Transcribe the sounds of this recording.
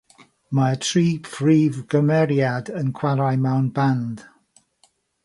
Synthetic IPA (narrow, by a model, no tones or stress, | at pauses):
maətʰriːfɹiːvɡəmɛɾjadənkʰw̥aɾajmawnband̥